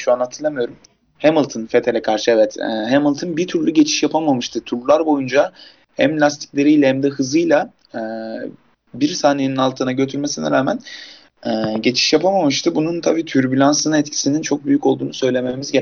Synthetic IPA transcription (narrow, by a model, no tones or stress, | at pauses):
ʃuanat̪ʰːɯɾlˠamɯjo̞ɾum | hemɯlˠt̪ʰɯnfet̪ʰe̞lʲɛkʰaɾʃɯɛvɛt̪ɛɦemɯlˠt̪ʰɯnbit̪ʰyɾlʲyɟe̞t͡ʃʰi̥ʃjapʰamamɯʃt̪ʰɯt̪ʰuɾlˠulˠaɾbo̞jund͡ʒa | hɛmlʲast̪ʰi̥c̚lʲe̞ɾijlʲɛhæmd̪ɛɦɯzɯjlˠa | ɛː | biɾsaːnejninalˠt̪ʰɯːnaɟø̞t̪ʰyɾme̞sinɛ̰ɾaːmæn | ɛːɟe̞t͡ʃʰi̥ʃjapʰamamɯʃt̪ʰɯbununt̪ʰabiːt̪ʰyɾbylʲansɯnɯɛt̪cʰi̥sinint͡ʃʰo̞k̚byjyco̞lˠd̪uːnusø̞jlʲe̞me̞mizɟe